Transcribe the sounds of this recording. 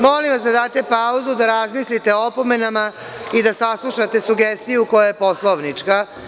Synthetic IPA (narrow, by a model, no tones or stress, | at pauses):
molimʋasd̪ad̪aːt̪e̞pauzud̪aɾazmislit̪e̞oopo̞me̞nama | id̪asaslˠuʃat̪e̞suɡest̪ijuko̞jajepo̞slˠoʋnit͡ʂka